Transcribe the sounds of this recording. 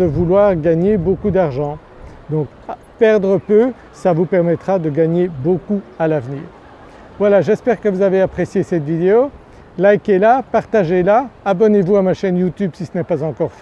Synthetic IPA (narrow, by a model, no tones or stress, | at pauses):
əvulwaʁɡaɲebokud̪aʁʒɑ̃ | d̪ɔ̃k | pɛʁd̪ʁəpø | savupɛʁmɛt̪χad̪əɡaɲebokualavnḭːʁ | vwalaʒɛspɛʁkəvuzaveapχesjesɛt̪vid̪eo | lajkɛlapaʁt̪aʒelaːbɔnevuamaʃɛnjut̪ybsisənɛpazɑ̃kɔʁf